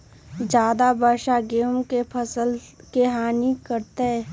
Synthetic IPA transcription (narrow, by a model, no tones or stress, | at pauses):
d͡ʒjaːd̪abaːʃaɡeːmkepʰəsəl | keɦaːnikəɾt̪eɛ